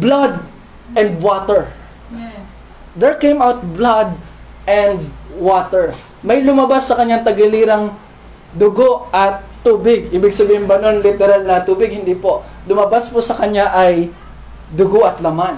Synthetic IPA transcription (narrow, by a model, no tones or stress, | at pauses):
blad̪̚ | ʔɛnd̪̚wot̪ɛɹ | d̪ɛɹkejmawt̪̚blɐd̪̚ | ʔɛnd̪wat̪ɛɹ | mɐjlʊmɐbasːɐkɐɲɲaŋt̪ɐɡɪliɾɐŋ | d̪ʊɡoʔʔɐt̪ːuːbɪɡ̚ʔiːbɪɡsɐbiːhɪmbɐno̞nlɪt̪ɛɾalnɐt̪uːbɪɡ̚hɪnd̪iːpo̞ | lʊmɐbaspʊsɐkɐɲaʔɐj | d̪ʊɡoʔɐt̪lɐman